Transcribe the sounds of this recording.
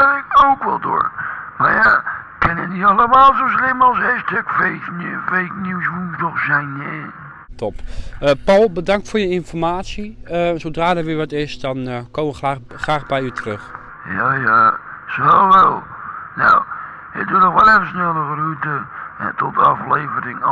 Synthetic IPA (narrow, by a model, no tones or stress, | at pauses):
ɪkowkʋɛ̰lˠdo̰ːɹmaɹja | kɪnəniɑləmaːlˠzowslɪmalˠsɛstɪkfejknfejknjuwsbutɔχsɛjnɛ | tɔpəpawlˠbədɑŋktfoːɹjəɪnfɔɹmaːtsiəsowdraːdɛɹʋɪʋɑtɪsdɑnkoːməʋəaː | χraːχbɛjytrɵχ | jaja | soʋɛlˠ | na̰w | ə̰tdutɔxʋɔlɛvəsnɛlˠəɣəɾutəɛ̰tɔtəɑflejvəɾɪŋ